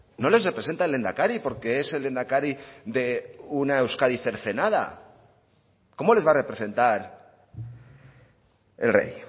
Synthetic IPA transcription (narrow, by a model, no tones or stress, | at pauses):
no̞le̞sre̞pɾe̞se̞nt̪aele̞nd̪akaɾipo̞ɾke̞ese̞le̞nd̪akaɾiðe̞unae̞wskaðiθe̞ɾθe̞naða̰ | ko̞mo̞le̞zβare̞pɾe̞se̞nt̪aɾ | e̞̰lre̞̰j